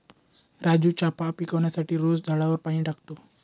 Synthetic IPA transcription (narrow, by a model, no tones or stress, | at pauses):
ɾad͡ʑuːt͡ɕapapikəʋɳjasaʈiːɾosd̪ʱaɽaʋəɾpaɽ̃ĩːʈakt̪o